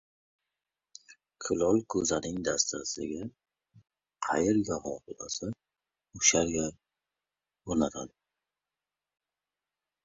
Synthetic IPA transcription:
kʰɪlɒlˠkʰɵzanɪŋd̪ast̪ʰasɪ̰ɡʲa | qʰɑjeɾɡʲahɒ̰qla̰sɪ | ʊʃaɾɡʲa | oɾnat̪ʰa̰d̪ɪ

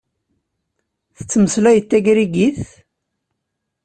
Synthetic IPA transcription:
θət͡sːməslæjət̪ːæɡɾiɡiθ

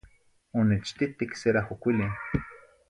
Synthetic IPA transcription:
onet͡ʃt̪it̪ikseɾahokʷili

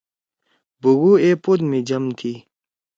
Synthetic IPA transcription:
buɡuepud̪mid͡ʑɐmt̪ʰi

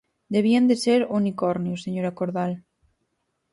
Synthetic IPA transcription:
d̪eβ̞iand̪eseɾunikɔɾnjoseɲoɾakoɾðal

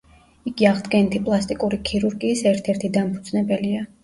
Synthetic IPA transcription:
iɡiaʁd̪ɡɛnit̪ʰipʼlˠast̪ʼikʼuɾikʰiɾuɾɡiːsɛɾt̪ʰɛɾt̪ʰid̪ampʰud̪z̥nɛbɛlia

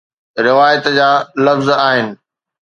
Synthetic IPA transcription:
ɾɪʋaːjət̪d͡ʑaːlɐfzaːɦɪnɪ̆

